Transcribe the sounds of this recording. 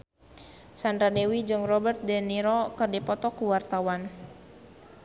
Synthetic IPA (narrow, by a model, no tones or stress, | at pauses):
sand̪ɾadewid͡ʒɨŋrɔbərt̪̚dɛniɾɔkɨrdipɔt̪ɔkuwart̪awan